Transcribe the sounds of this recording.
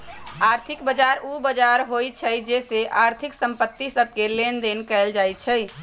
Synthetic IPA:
aːɾt̪ʰɪkbəd͡ʒaɾubəd͡ʒaɾɦojt͡ʃʰəjd͡ʒeseʔaɾt̪ʰɪksə̃mpət̪ːisəb̚ʱkelend̪enkɛɪld͡ʒajt͡ʃʰəj

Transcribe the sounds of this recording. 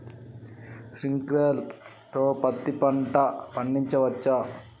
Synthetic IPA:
sɾiŋkɾeːl | t̪oːpɐt̪ːipɐɳʈɐpɐɳɖiɲt͡ʃɐʋɐt͡ʃːɐ

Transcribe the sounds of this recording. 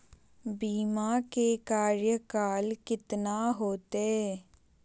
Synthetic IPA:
biːmakekaːɾjəkaːlkɪt̪naɦoːt̪e

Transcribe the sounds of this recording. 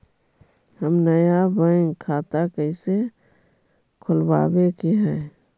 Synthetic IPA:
həmnəjabə̃ŋkʰaːt̪akəɪse | kʰʊlba̰ːbekeɦɛ̃ː

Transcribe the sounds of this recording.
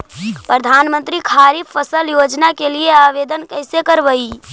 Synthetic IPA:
pɾəd̪ʱanmənt̪ɾikʰaɾipʰəsəljod͡ʒnakelieaʋed̪ənkəɪsekəɾbəi

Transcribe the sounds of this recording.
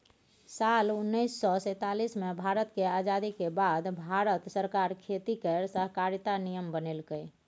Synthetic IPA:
salunːəɪsːɔsə̃t̪alismebʱaɾət̪kead͡ʒad̪ikebad̪bʱaɾət̪səɾkaɾkʰet̪ikəɾsəɦkaɾt̪anijəmbənelɡəj

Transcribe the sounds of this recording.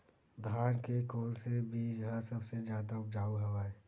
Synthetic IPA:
d̪ʱaːnkekoːlsebʱid͡ʒɐɦãsɐbsed͡ʒjaːd̪aʊp̚d͡ʒaːuɦɐʋaːe

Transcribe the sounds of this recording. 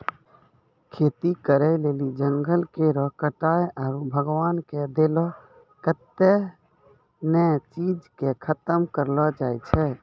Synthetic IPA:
kʰet̪ikəɾɛlelid͡ʒəŋɡəlkeɾəkəʈajɔːɾbʱəɡwaːnked̪elɔ | kət̪ːe | nɛt͡ʃid͡ʒkekʰət̪əmkəɾlɔd͡ʒajt͡ʃʰɛ

